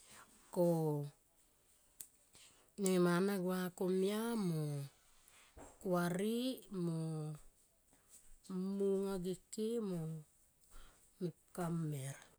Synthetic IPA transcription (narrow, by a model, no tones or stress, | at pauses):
ko | nemanaɡwakomiamo | kuaɾimo | muŋaɡikemo | mip̚kameɾa